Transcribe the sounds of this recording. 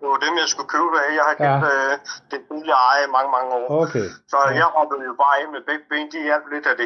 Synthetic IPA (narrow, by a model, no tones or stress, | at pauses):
d̥emjɑ̈ɪsɡ̥ukʰøʊbæjɑ̈ɪhækʰed̥d̥ebiðˠliɑ̈ɪimɑ̈ŋəmɑ̈ŋəɒ̰ːokʰesɒ̽jɑ̈ɪhɒ̽bəð̩ˠjo̝b̥ɑ̈ːenmeb̥eɡ̥̚b̥eːnd̥iælb̥le̝d̥æd̥e